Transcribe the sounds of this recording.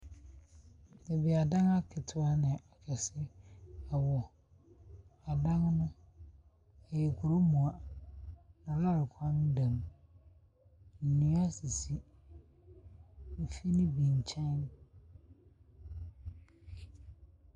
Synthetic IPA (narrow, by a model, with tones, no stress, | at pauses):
ɪ˨bi˨a˨dã˦ŋa˦kʰɪ˨tʰʊ˦a˦nɪ̃˨a˨kʰɛ˨sɪ˦a˨wɔ˨ | a˨dã˦ŋnʊ̃˦ | ɛ˨jɛ˨kʰʊ˨ɾo˦mũ˨a˨ | nã˨la˦ɾɪ˨kʷʰã˦n˦dã˨m | n̩˨nĩ˨˦a˦si˨si˨ | m̩˨fi˦nɪ̃˦bĩ˨n˨t͡ɕʰɛ̃˦n˦